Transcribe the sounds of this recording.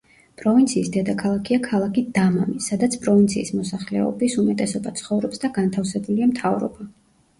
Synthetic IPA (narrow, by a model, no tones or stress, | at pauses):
pʼɾɔvint̪sʰiːsd̪ɛd̪akʰalˠakʰiakʰalˠakʰid̪ama̰misad̪at̪sʰpʼɾɔvint̪sʰḭːsmɔsaχlɛ̰ɔ̰bisumɛt̪ʼɛsɔbat̪sʰχɔvɾɔpsd̪aɡant̪ʰafsɛbuliamt̪ʰavɾɔ̰ba